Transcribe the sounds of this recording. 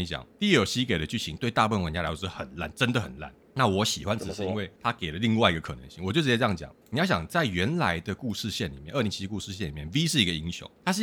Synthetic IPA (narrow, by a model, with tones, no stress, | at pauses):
ɕjɑ̰˨˩˦ŋt̪i˥˧˥jo˨˩ʊɕi˦˥ke˨˩ɪdə˦t͡ɕy˥˩t͡ɕʰi˧˦ŋt̪we˥˧ɪt̪a˥˧pu˥fə˥nwə˧˦nt͡ɕa˥˧a˧˥wxə˨˩nla̰˥˧˩nʈ͡ʂə˦nd̪ə˨xə̰˨˩nla̰˥˩n | na˥˨wɔ˧˥ɕi˨˩xwa˦nʈ͡ʂ̩˨˩ʂɻ̩˧i˦˥nwe˥˩ɪt̪ʰa˦ke˨˩lə˦li˥˧ŋwa˥ɪi˧ɡə˩kʰɤ˨˩nə̰˧˦ŋɕi˥˩ŋwɔ˨˩t͡ɕjʈ͡ʂɻ̩˧t͡ɕjjɑ˥˩t͡ɕjɑ̰˨˦ŋni˨jɑ˥˩ɕjɑ̰˨˩ŋt͡sa˥˩ɪɥɛ˨˧˥nla˧˦ɪd̪ə˧ku˥˧ʂɻ̩˥˧ɕjɛ˥˩nli˨˩mjɛ˥˧nʔə˥˩i˧˦nt͡ɕʰi˧˥˧ku˥˧ʂɻ̩˥˧ɕjɛ˥˩ni˨˩mjɛ˥˩nvi˦˥ʂ̬ɻ̩˥˩i˧˥ɡə˨i˥ŋɕjo̰˧˦ŋt̪ʰa˥ʂ̬ɻ̩˥˧